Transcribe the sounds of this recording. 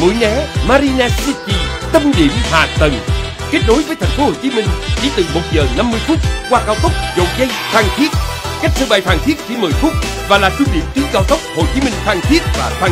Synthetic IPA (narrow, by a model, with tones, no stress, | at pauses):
mṵ˧˨˦jnɛ˨˦maː˧ɾi˧naː˧si˧t͡ɕi˧t̪ə˧mɗḭ˧˨əmhaː˨˩t̪ə˨˩ŋ | ke˦˥t̚ɗno˨˦jvəː˨˦jt̪ʰa˨˩ŋfo˨˦ho˨˩t͡ɕi˨˦mï˧ŋ̟t͡ɕḭ˧˩˦t̪ɨ˨˩mo˨˩t̚zəː˨˩na˧mːɨ˧jfʊ˦˥k͡p̚kwaː˧kaː˧wt̪ə˦˥k͡p̚zo̰˨˩t̚zə˧jfaː˧˩ŋt̪ʰi˦˥ət̚ka˦˥t̚sʰəː˧ɓa˨˧˩jfaː˧˩ŋt̪ʰi˦˥ək̚t͡ɕi˧˦məː˨˩jfʊ˦˥k͡p̚ | vaː˨˩laː˨˩t͡ɕwu˧nɗḭ˧˨əmt̪ɨ˨˦zaː˧˩wt̪ʰə˦˥k͡p̚ho˨˩t͡ɕi˨˦mï˧ŋ̟faː˧ŋt̪ʰi˦˥ət̚vaː˨˩faː˧